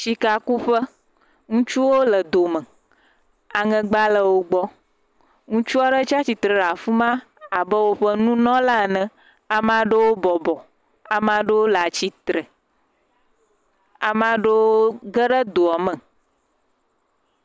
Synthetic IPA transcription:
ʃi˨ka˨ku˦ɸə˦ | ŋũ˦t͡ʃu˦wo˦lə˨d̪o˨mə̃˨ | a˨ŋə̃˨ɡ͡ba˦lə˨wo˦ɡ͡bɔ˦ | ŋũ˦t͡ʃu˦a˦ɖə˦t͡ʃa˦t͡ɕi˨t̪ɾə˨ɖa˨fu˦mã˦ | a˨bə˦wo˦ɸə˦nũ˦nɔ̃˦la˦˨nɛ̃˨ | a˨m˦ã˨ɖə˦wo˦bɔ˨bɔ˨ | a˨mã˨ɖə˦wo˦la˨t͡ɕi˦t̪ɾə˨ | a˨mã˨ɖə˦woo˦ɡə˦ɖə˦d̪o˨a˨mə̃˨

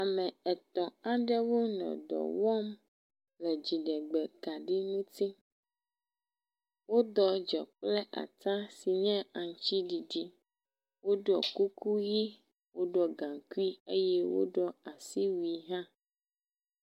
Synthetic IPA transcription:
a˨mɛ̃˨ɛ˨t̪ɔ̃˨a˨ɖɛ˦wo˦nɔ̰̃˨d̪ɔ̰˨wɔ˦m | lɛ˨d͡ʑi˨ɖɛ˨ɡ͡bɛ˨ka˨ɖi˦nũ˦t̪i˦ | wo˦d̪ɔ˨d͡ʒɔ˨k͡ple˦ʔa̰˨t̪a˦si˨ɲɛ̃˦a˨ŋ˨t͡ʃt͡ɕi˦ɖi˨ɖi˦ | wo˦ɖɔ˨ku˦ku˦ji˦ | wo˦ɖɔ˦ɡã˨ku˦i˦e˦jɛ˦wo̰˦ɖɔ˦a˨si˦wi˨ɦã˦

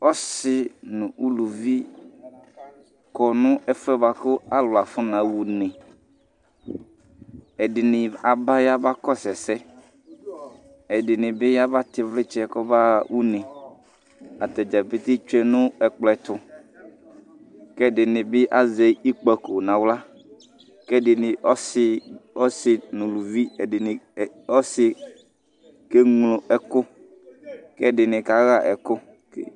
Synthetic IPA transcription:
ɔ˦sɪ˨nʊ̃˨u˦lu˨vi˦ | kɔ˨nʊ̃˦ɛ˦fɛ˦ba˨kʊ˦a˦lʊ˨a˨fʊ˦nã˨wu˨nɪ̃˨ | ɛ˨dɪ˨nɪ̃˨a˨ba˦ja˦ba˦kɔ˦sɛ˨sɛ˦ | ɛ˨dɪ˨nɪ̃˨bɪ˦ja˦ba˦t̪ɪ˨vlɪ˦t͡ʃɛ˦˨kɔ˦ba˦wu˦nɪ̃˨ | a˨t̪ɛ˨d͡ʒɛ˨pɪ˦t̪ɪ˦t͡ʃɛ˦nʊ̃˦ɛ˨k͡plɛ˨t̪ʊ˨ | kɛ˦dɪ˨nɪ̃˨bɪ˦ʔa˦ze˨i˦k͡pɔ˨ko˨nã˨wla˦ | kɛ˦dɪ˨nɪ˨ɔ˦sɪ˦ɔ˦sɪ˨nʊ̃˨lu˨vi˦ɛ˨dɪ˨n˨ | ɔ˦sɪ˨ | ke˦ŋlʊ˨ʔɛ˨kʊ˦ | kɛ˦˨dɪ˨nɪ̃˨ka˨˦ɣa˨ʔɛ˨kʊ˦ | k

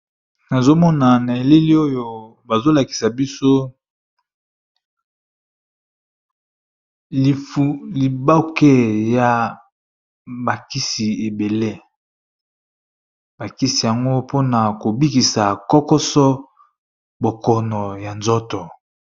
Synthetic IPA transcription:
na˨zo˦mɔ˦na˨na˨e˨le˦li˦o˦jo˦ | ba˨zo˦la˨ki̥˨sa˨bi˦so˦ | i˨fu˦li˨ba˦ke˦ja˨ | ba˨ki˦si˨e˨be˨le˦ | ba˨ki˦si˨ja˨ŋɡo˦po˦na˨ko˨bi˦ki˨sa˨kɔ˦kɔ˦sɔ˦ | bo˨kɔ˨nɔ˨ja˨nzɔ˦tɔ˨

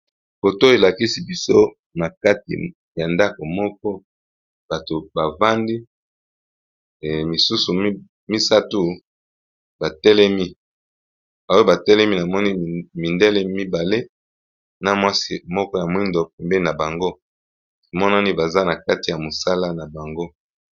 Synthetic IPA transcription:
bo˨to˦e˨la˨ki˦si˦bi˦so˦ | na˨ka˦tḭ˨ | ja˨nda˦ko˨mɔ˦k̚ɔ˦ | ba˨to˨ba˨va˦ndi˦˨ | mi˨su˦su˨˦ | mi˦sa˦tu˦ | ba˨tɛ˦lɛ˦mi˦ | ba˨˦o˦ba˨tɛ˦lɛ˦mi˦na˨mɔ˦ni˦˨mi˨ndɛ˦lɛ˦mi˦ba˨le˦ | na˦mwa˦si˦mɔ˦kɔ˦ja˨mwi˦ndo˨pɛ˨mbɛ˦i˦na˨ba˨ŋɡo˦˨ | mɔ˦na˦ni˦ba˨za˦na˨ka˦ti˨ja˨mo˨sa˦la˦na˨ba˨ŋɡo˦

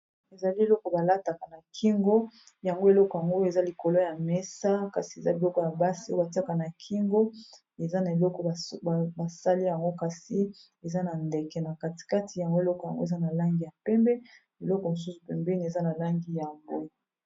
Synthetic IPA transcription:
e˨za˨li˦e˨lɔ˦kɔ˨ba˨la˦ta˨ka˨na˨kʰi˦ŋɡo˦ | ja˨ŋɡo˦e˨lɔ˦kɔ˨ja˨ŋɡo˦e˨za˦li˨ko˨lo˦ja˨mɛ˦sa˦ka˨si˨e˨za˦bi˨lɔ˦kɔ˨ja˨ba˦si˦o˦ba˨ti˦a˦ka˨na˨kʰi˦ŋɡo˦ | e˨za˦na˨e˨lɔ˦kɔ˨ba˨sa˦li˦ja˨ŋɡo˦ka˨si˦ | e˨za˦na˨nde˨kɛ˨na˨ka˦ti̥˨ka˦ti˨ja˨ŋɡo˦e˨lɔ˦kɔ˨ja˨ŋɡo˦e˨za˦na˨la˦ŋɡi˦ja˨pɛ˦mbɛ˦ | e˨lɔ˦kɔ˨mo˨s̬u˦su˨pɛ˨mbɛ˦ni˨e˨za˦na˨la˦ŋɡi˦ja˨mbo˦

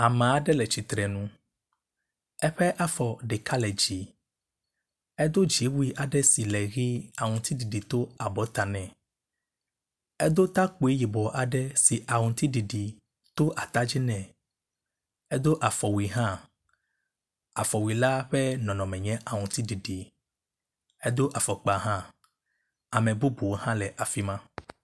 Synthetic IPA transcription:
a˨mɛ̃˨a˨ɖɛ˦lɛ˨t͡ɕi˨t̪ɾɛ˨nũ˦ | ɛ˦ɸɛ˦ʔa˦fɔ˨ɖe˨ka˦lɛ˨d͡ʑi˨ | ɛ˦d̪o˦d͡ʒi˨˦wu˦i˦ʔa˨ɖɛ˦si˨lɛ˨ɣi˦a˨ŋũ˨t̪i˦ɖi˨ɖi˨t̪o˦a˨bɔ˨˦t̪a˨nɛ̃˨ | ɛ˦d̪o˦t̪a˦k͡po˨e˦ji˨bɔ˨ʔa˨ɖɛ˦si˨ʔa˨ŋũ˨t̪i˦ɖi˨ɖi˨ | t̪o˦ʔa˨t̪a˦d͡ʒi˦nɛ̃˨ | ɛ˦d̪o˦ʔa˨fɔ˨wi˨ɦã˦ | a˨fɔ˨wi˨la˦ɸɛ˦nɔ̃˨nɔ̃˨mɛ̃˨ɲɛ̃˦ʔa˨ŋũ˨t̪i˦ɖi˨ɖi˨ | ɛ˦d̪o˦ʔa˨fɔ˨k͡pa˨ɦã˦ | a˨mɛ̃˨bu˦bu˨wo˦hã˦lɛ˨ʔa˨fi˦mã˦

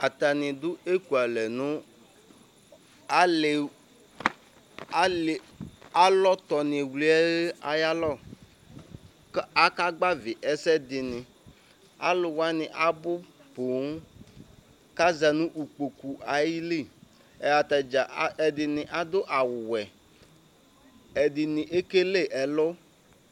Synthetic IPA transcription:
a˨t̪a˨nɪ̃˨d̪ʊ˦e˦ku˨a˨lɛ˨nʊ̃˦ | a˦lɪ˨˦˨ | a˦lɔ˦t̪ɔ˨nɪ̃˨wli˦ɛ˦ɣe˦a˨ja˦lɔ˦˨˦ | a˦ka˦ɡ͡ba˦vɪ˨ʔɛ˦sɛ˦dɪ˨nɪ̃˨ | a̰˦lʊ˨wa˦nɪ˨ʔa˨bʊ˦po˨˦ | ka˦zɛ˨nʊ̃˦ʔu˨k͡po˨ku˨ʔa˨ji˦li˦˨ | ɛ˨a˨t̪a˨d͡ʒa˨˦ɛ˨dɪ˨nɪ̃˨ʔa˨d̪ʊ˦ʔa˨wʊ˨wɛ˨ | ɛ˨dɪ˨nɪ˨ʔe˦ke˦le˦˨ʔɛ˨lʊ˦

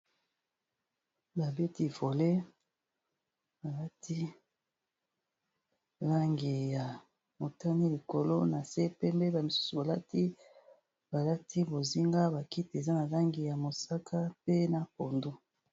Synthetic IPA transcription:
ba˨be˦ti˦vo˨le˦ | ba˨la˦tʰi˦ | la˦ŋɡi˨ja˨ | mo˨ta˦ni˦li˨ko˨lo˦na˨se˦pɛ˦mbe˦ba˨mi˨su̥˦su˨ba˨la˦ti˦ | b̥a˨la˦tʰi˦bo˨zi˦ŋɡa˦ba˨ki˦te˨za˦na˨la˦ŋɡi˨ja˨mo˨sa˦kʰa˦pe˦na˨po˨ndo˦

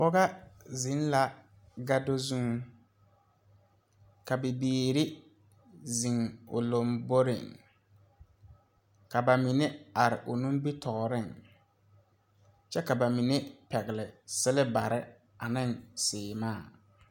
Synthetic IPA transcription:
pɔ˦ɣa˦zɪ˨˦n˦la˦ | ɡa˦do˦zũ˦ŋ | ka˨bɪ˨biː˦ɾɪ˦ | zi˨ŋʊ̰˨lo˨mbo˦ɾɪ̰˨ŋ | ka˨ba˨mi˨ne˦a˨ɾɪ̰˨ʔʊ˨nũ˦ŋ˦bi˦tɔ˨ɣɾɪ˦˨ŋ | t͡ʃɛ˦ka˨ba˨mi˨ne˦pɛ˨ɣɪ˨lɪ˨sɪ˦lɪ˦ba˨ɾɪ˦ | a˨nɪ˦˨ŋsɪː˨maː˦˨

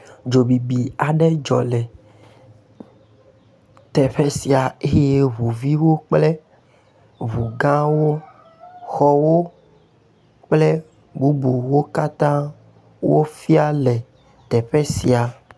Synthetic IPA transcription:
d͡ʒo˨bi˨bi˨a˨ɖɛ˦d͡ʒɔ̰˨lɛ˨ | t̪ɛ˨ɸɛ˦si˨a˨e˦je˦βu˨vi˦wo˦k͡plɛ˦ | βu˨ɡã˦wo˦ | xɔ˨wo˦ | k͡plɛ˦ | bu˦bu˨wo˦ka˦t̪ã˦ | wo˦fi˦a˦lɛ˨ | t̪ɛ˨ɸɛ˦si˨a˨

